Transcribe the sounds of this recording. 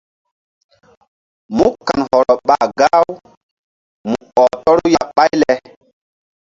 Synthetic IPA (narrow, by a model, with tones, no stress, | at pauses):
mu˦kːa˨nhɔ˨ɾɔ˨ɓa˨ɡa˦w | mu˨ɔ˨tɔ˦ɾu˦ja˨ɓa˦jlɛ˨